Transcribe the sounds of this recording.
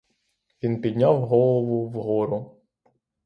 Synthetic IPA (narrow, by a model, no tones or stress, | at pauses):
ʋʲinpʲid̪ʲnʲawɦɔlˠɔʋʊʋɦɔɾʊ